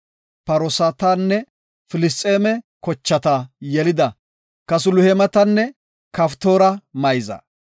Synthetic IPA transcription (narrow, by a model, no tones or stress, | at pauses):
pɐɾɔsaːt̪anːɛ | fɪlɪs̬t̪ʼːeːmɛkɔt͡ʃːɐt̪ɐjɛlɪd̪ɐ | kɐs̬ʊlʊhɛmɐt̪ɐnːɛ | kɐft̪oːɾɐmɐjzɐ̰